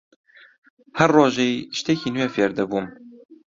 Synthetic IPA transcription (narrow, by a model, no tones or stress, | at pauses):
hɛrːoːʒeʃt̪ekiːnujɛfeɾd̪ɛbuːm